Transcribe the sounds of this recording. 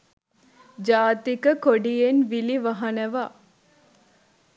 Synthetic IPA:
d͡ʒaːt̪ikəkoɖijenʋiliʋɐɦɐnɐʋa

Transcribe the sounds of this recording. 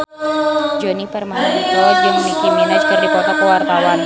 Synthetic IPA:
d͡ʒɔnipərmaɦanit͡ʃɔd͡ʒuŋmikiminad͡ʒu̥kərdikɔt̪akəwart̪awan

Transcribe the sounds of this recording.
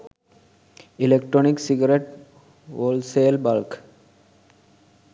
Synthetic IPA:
ilekʈɾoniksiɡɐɾeʈ | oːlseːlbalk

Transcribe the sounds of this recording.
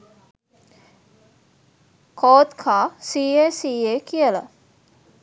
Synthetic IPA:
kʰoːt̪kʰaːsiːeːsiːeːkijələ̰

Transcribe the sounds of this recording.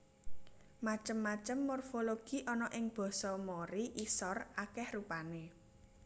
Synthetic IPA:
mat͡ʃəmːat͡ʃəmːorfoloɡ̥i̤ʔɔnɔʔɪŋb̥ɔ̤sɔmoɾiʔisɔrakɛhrupane

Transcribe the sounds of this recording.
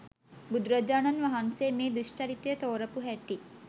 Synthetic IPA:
bud̪uɾɐd͡ʒaːnɐnʋɐɦanseːmeːd̪uʃʈɐɾit̪jət̪oːɾəpuɦɛʈːi

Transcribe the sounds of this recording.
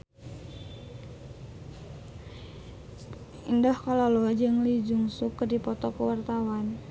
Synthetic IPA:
indahkalaload͡ʒəŋlid͡ʒuŋsukːərdipɔt̪ɔkəwart̪awan

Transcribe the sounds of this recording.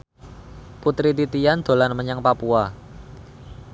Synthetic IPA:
put̪ɾit̪it̪ijand̪̥o̤lanməɲaŋpapua

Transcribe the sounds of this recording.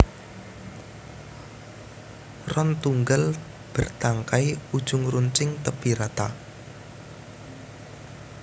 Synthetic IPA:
rɔnt̪uŋɡal | b̥ə̤rt̪aŋkaiud̥ʒ̥ʊŋruɲt͡ʃɪŋt̪əpiɾat̪a

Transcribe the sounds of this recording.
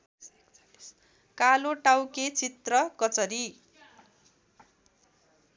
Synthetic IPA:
kaloʈawket͡sit̪rʌkʌt͡sʌɾi

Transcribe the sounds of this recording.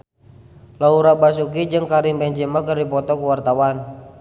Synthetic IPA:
lauɾaʔbasukid͡ʒɨŋkaɾimbɛɲd͡ʒemakərdipɔt̪ɔkuwart̪awan

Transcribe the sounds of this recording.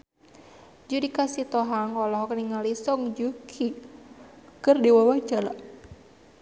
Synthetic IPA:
d͡ʒudikasit̪ɔɦaŋɔlɔɦɔkniŋalisɔŋd͡ʒukʰi | kərdiwawad͡ʒala

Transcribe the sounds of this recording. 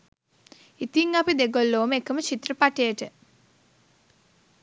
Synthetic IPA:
it̪iŋapid̪eɡolːoːməekəmət͡ʃit̪rəpaʈejəʈə

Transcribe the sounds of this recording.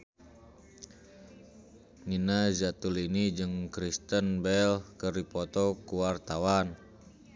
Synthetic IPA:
ninazat̪ulinid͡ʒɨŋkɾist̪ənbɛlkəripɔt̪ɔkuwart̪awan

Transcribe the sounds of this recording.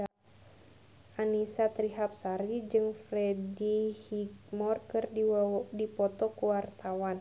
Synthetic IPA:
anisat̪ɾiɦap̚saɾid͡ʒɨŋfɾɛdihik̚mɔrkɨrddipɔt̪ɔkuwart̪awan

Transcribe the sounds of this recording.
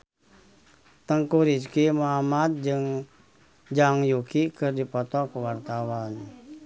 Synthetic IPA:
t̪əŋkuɾid͡ʒkimoɦamat̪̚d͡ʒɨŋ | d͡ʒaŋjukikɨrdipɔt̪ɔkuwart̪awan

